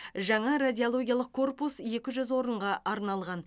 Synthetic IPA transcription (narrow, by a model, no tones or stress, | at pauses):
ʒɑɴɑradʲijolˠo̞ɡʲjalˠəqkʰːo̞rpusje̞kʲɪʒʏzwo̞ɾəɴʁɑʔɑɾnɑlˠʁɑn